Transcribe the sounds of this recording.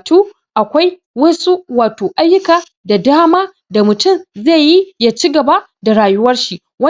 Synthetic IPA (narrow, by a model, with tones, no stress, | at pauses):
tuː˦ | ʔa˨kʷa˦j | wɐ˦su˦waː˨toː˨ʔa˦jːʊ˦kaː˨ | da˨daː˦maː˦ | da˨mʊ˨tʊ˦˨mze˦˨ji˦jaː˦t͡ʃiː˦ɡɐ˨ba˦ | da˨ɽaː˨jʊ˦wɐ˦rʃi˦ | wɐ˦